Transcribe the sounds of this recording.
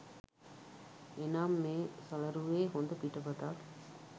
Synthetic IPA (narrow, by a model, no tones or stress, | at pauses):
enaːmːeːsɐlɐɾuʋeːɦond̪ɐpiʈɐpɐt̪aːk